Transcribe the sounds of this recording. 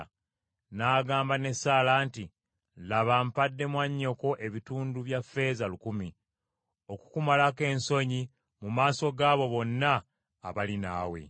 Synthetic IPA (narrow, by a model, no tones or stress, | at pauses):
naːɡaːmbane̞saːlaːnti | laβampadːe̞mwaɲːo̞ko̞ʔe̞βituːnduβjafe̞zalukumi | o̞ku̥kumalake̞ːnso̞ɲi | mumaːso̞ɡaːβo̞βo̞nːaː | βalina̰ːwe̞̰